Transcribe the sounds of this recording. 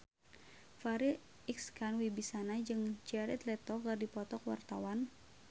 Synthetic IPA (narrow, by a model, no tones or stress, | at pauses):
faɾi | ikskanwibisanad͡ʒɨŋt͡ʃɛɾɛt̪lɛt̪ɔkardipɔt̪ɔkwa̰rt̪awan